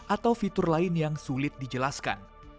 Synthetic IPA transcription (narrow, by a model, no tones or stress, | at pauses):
ʔat̪awfit̪ʊrlaɪnjaŋsulɪt̪̚did͡ʒəlaska̰n